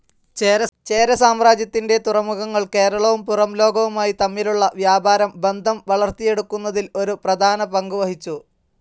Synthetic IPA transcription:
t͡ɕeːɾɐt͡ɕe̞ːɾɐsaːmraːd͡ʑjɐt̪ːinde̞t̪urɐmuɣɐŋːɐɭke̞ːɾɐɭɐʋumpurɐmlo̞ːɡɐʋumaːjit̪ɐmːiluɭːɐʋjaːbaːɾɐmbe̞nd̪ʱɐmʋɐɭɐrt̪ije̞ɽukːunːɐðilo̞ɾuprɐd̪ʱaːnɐpɐŋɡuʋɐhit͡ɕːu

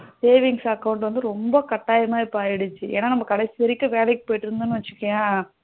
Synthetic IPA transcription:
seːʋɪŋsɐkːɐʊɳʈ̬ʋɐnd̪ɯɾɔmbɐkɐʈːaːjɐmaːɪpːoaːjɪɽɯt͡ʃːɯʔḛːnːaːnɐmːɐkɐɽɐsːitɐɾɪkːɐ̃ʋeːlɛkːɯ̥poːjɪʈːɯɾɯnd̪ɯnːɯʋɐt͡ʃːɯ̥kːɐ̃jaː

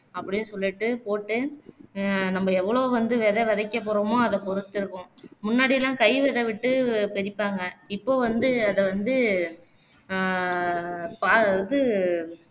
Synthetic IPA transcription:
ɐpːɐɽɪnːɯsɔlːɪʈːɯpoːʈːɯ | nɐmːɐɛʋːɐɭoːʋɐnd̪ɯʋɛðɐʋɐðɐkːɐp̬ːɔːɾɐmoːɐðɐpɔɾɯt̪ːɪɾɯkːʊ̃mʊnːaːɽɪjlãːkɐɪʋɛðɐʋɪʈːɯpɛɾɪpːaːŋɡɐɪpːoːʋɐnd̪ɯɐðɐʋɐnd̪ɯ | paːðɯ

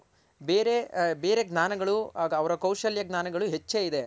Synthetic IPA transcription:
beːɾebe̞ːɾe̞ɡnaːnɐɡɐɭuɦaːɡɐːʋɐɾɐkɐwʃɐljɐɡnaːnɐɡɐɭuɦet͡ʃːeːid̪e̞

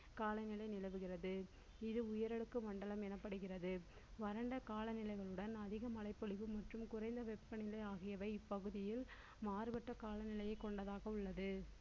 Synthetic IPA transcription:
kaːlɐɪnɪlɐɪnɪlɐʋɯɣɪrɐðɯ | ɪðɯʊjɐɾɐɽɯkːɯmɐɳɖɐɭɐmɛnɐpːɐɽɯɣɪrɐðɯ | ʋɐɾɐɳɖɐkaːlɐnɪlɐɪɣɐɭɯɽɐnɐðɪɣɐmɐlɐɪpːɔɭɪʋɯmɐʈrɯmkʊrɐɪnd̪ɐʋɛpːɐnɪlɐɪaːɣɪjɐʋɐɪɪpːɐɣɯðɪjɪl | maːrɯʋɐʈːɐkaːlɐnɪlɐjɐɪkːɔɳɖɐðaːɣɐʊɭːɐðɯ

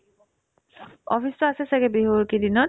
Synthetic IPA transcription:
ɔpʰistɔasɛsɛɡɛbiɦoɹkidinɔt̚

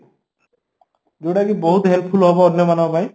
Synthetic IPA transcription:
d͡ʒoɽaɡibɔɦut̪ɦɛlpʰulɦɔbɔɔnjɔbanapaj̃

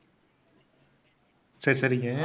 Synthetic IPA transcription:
sɐɾisɐɾiŋɐ

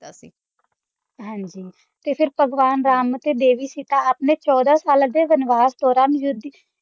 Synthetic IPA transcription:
ɦãːɲd͡ʒiː | t̪eːpʰɪɾpəɡʋaːnɾaːmt̪eːd̪eːʋiːsiːt̪ãːapneːt͡ʃɔːd̪aːsaːld̪eːɡənʋaːzt̪oːɾaːmjʊd̪

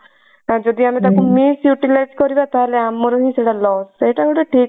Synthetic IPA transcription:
ad͡ʒɔd̪iamet̪akumisjuʈilajzkɔɾibat̪aɦeleamɔɾɔɦĩseɽalɔseʈaɡoɽeʈʰik

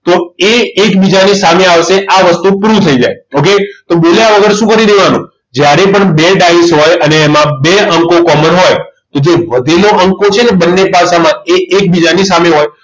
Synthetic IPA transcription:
t̪oeːkbid͡ʒanisameaʋʃeʔaʋəst̪upuɾut̪ʰəid͡ʒa̰joket̪obeleaʋəɡəɾeʃũkəɾid̪eʋanṵ̃ | d͡ʒjaɾepəɳbeɖaisɦɔjəneːmãbeə̃ŋkokɔmənɦɔjt̪od͡ʒeʋəd̪ʱeloʔəŋkot͡ʃʰenebənːepaʃamãeʔek̚bid͡ʒanisameɦɔj

